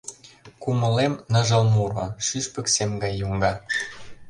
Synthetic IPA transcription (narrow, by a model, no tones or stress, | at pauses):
kumə̆lemnə̆ʒɤ̆lmurɑʃyʃpə̆ksemɡɑjːuŋɡɑ